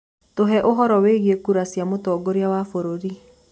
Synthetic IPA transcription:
toɦɛʔoɦɔɾɔweɣiekuɾasjamotɔːɡoɾeawafoɾoɾi

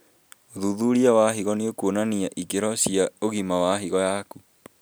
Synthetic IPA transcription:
oðuðuɾiawaɦiɣɔneokuonaniaʔikeɾɔɕiaoɣimawaɦiɣɔjaku

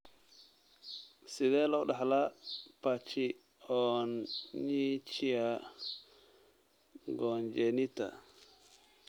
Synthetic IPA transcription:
sɪðɛːlɔːɖɑħlapʰat͡ʃɪ | ɔnɲit͡ʃɪa | ɡɔːnd͡ʒɛnɪt̪ʰɐ̰

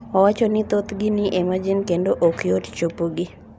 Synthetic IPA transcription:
ɔwat͡ʃonɪt̪ot̪ɡɪniʔemad͡ʒɪnkendoʔokjott͡ʃopoɡɪ

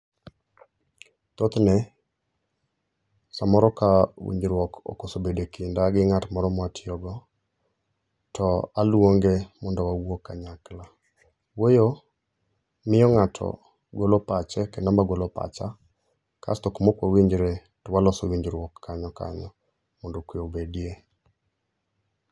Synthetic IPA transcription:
t̪ot̪nɛ | samɔɾɔkawḭɲd͡ʒɾwɔko̰kosobedekindaɡɪŋatmɔɾɔmwatʰɪɔɡɔ | tʰɔalwoŋɡemɔndɔwawokːaɲakla | wojo | mɪjɔŋatʰɔ̰ | ɡolopat͡ʃɛkɛnambaɡolopa̰t͡ʃa | ka̰stɔkmokwawiɲd͡ʒɾe | tɔwalɔsowiɲd͡ʒɾwɔkʰːaɲɔka̰ɲɔ | mondokwiobedje

